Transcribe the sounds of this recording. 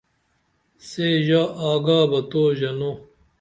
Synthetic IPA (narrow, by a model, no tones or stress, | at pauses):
seːʑaaːɡaːbɐt̪oːʑɐno